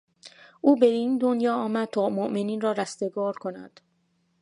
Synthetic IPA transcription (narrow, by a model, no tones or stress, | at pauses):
ʔuːbeiːnd̪onjɒːɒːmæd̪̥̚t̪ʰɒːmoʔmeniːnrɒːɾæst̪eɡɒːɾkʰo̞næ̰d̪̥